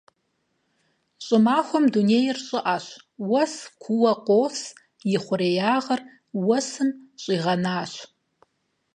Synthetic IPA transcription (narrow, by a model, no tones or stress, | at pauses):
ɕʼɪmaːχʷɔmduneːjɪrɕʼɪʔaɕ | wɐskʷʰuwɐqʷoːs | jɪχʷʊɾeːjaːʁɐr | wɐsɨmɕʼiːʁɐnaːɕ